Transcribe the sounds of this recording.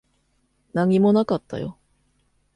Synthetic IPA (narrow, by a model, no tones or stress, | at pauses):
naɲ̟imo̞nakat̪ʰːa̰jo̞̰